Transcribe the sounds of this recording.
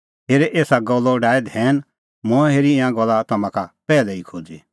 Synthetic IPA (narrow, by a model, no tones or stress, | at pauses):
ɦeːɾɛʔeːsaɡɔlːɔɖaːed̪ʱɛːn | mɔ̃ɛ̃ɦeːɾiɪ̃ãɡɔlːat̪ɐmãkapɛːlɛikʰoːd͡zi